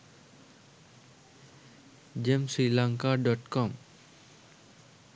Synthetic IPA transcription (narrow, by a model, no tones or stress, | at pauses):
d͡ʒemsɾilãŋkaɖɔʈkɔm